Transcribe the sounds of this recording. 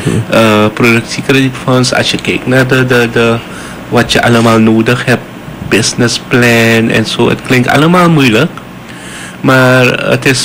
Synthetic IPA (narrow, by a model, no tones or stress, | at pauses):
ʔəpɾodəksikɾɛditfãnsa̰t͡ʃəkek̚nadədədə | wat͡ʃəʔanəmalnodəkhɛp | bisnəsplɛ̃nɛ̰̃nsoɪ̰t̚klĩŋka̰nəmalmulək | maɾə̰tɛs